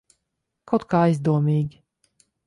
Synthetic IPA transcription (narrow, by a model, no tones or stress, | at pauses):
kawt̪̚kaːajzd̪uɔmiːɡʲi